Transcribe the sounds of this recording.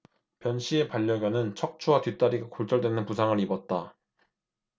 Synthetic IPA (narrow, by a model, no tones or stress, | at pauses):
pjʌnɕʰie̞paʎːʌɡjʌnɯnt͡ɕʰʌk̚t͡ɕʰuwatɥit͈aɾiɡakoɭt͡ɕ͈ʌɭdwe̞nɯnpusʰaŋɯɾibʌt̚t͈a